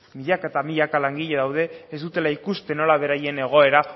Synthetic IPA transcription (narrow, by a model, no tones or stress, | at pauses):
miʎakaet̪amiʎakalaŋɡiʎe̞ðawðe̞ːzd̪ut̪e̞laikust̪e̞no̞laβ̞e̞ɾaje̞ne̞ɣ̞o̞e̞ɾa